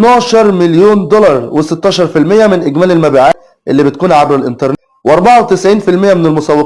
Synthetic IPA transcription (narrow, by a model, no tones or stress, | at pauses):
nɑːʃɑɾˤmɪljoːnd̪olɑɾˤwesɪt̪ːɑːʃɑɾˤfilmɪjːæmɪnʔeɡmæːlelmæbiːʕaː | ʔelːiːbɪt̪̚kuːnʕabɾɪlʔɪnt̪ɑɾˤn | wʔɑɾˤbɑʕawt̪ɪsʕiːnfɪlmɪjːæmɪnɪlmʊsæwːɪ